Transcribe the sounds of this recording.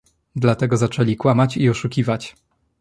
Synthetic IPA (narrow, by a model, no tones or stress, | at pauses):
d̪lat̪ɛɡɔzat͡ʂɛlʲikwamat͡ɕiɔʂukʲivat͡ɕ